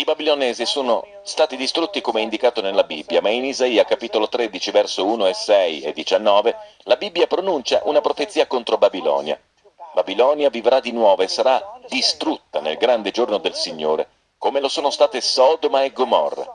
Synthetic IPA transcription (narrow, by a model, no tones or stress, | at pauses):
ibabilonɛːzisoːno | st̪aːt̪id̪ist̪ɾut̪ːikomeind̪ikaːt̪onelːabibːjamainizaiːakapiːt̪olot̪ɾed̪it͡ʃivɛrsouːnoesɛjḛd̪ːit͡ʃanːɔːve | labibːjapɾonunt͡ʃa̰ʔunapɾofet̪sːiːakont̪ɾobabilɔ̰ːnja̰ | babilɔːnjavivɾad̪inwɔːvoesːaɾad̪ist̪ɾut̪ːanḛlɡɾand̪ed͡ʒornod̪elsiɲːoːɾḛ | komelosoːnost̪aːt̪esɔːd̪omaeɡːomɔ̰rːa̰